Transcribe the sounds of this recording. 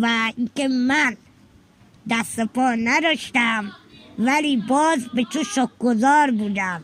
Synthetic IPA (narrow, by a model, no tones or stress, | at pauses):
væiŋkemæn | d̪æst̪epʰɔːnæd̪ɒʃt̪æmvæliːbɒːzbet͡ʃ̪ʰuʃɔk̚ɡozɒːɾbuːd̪æm